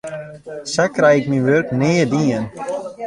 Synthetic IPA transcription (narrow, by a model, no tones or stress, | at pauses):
sakrɛjɪkminʋørkneːədiːən